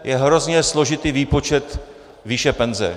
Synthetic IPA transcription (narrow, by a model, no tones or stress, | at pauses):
jɛɦɾo̞zɲɛslo̞ʒɪt̪iːviːpo̞t͡ʃɛt̪ | viːʃɛpɛnzɛ̰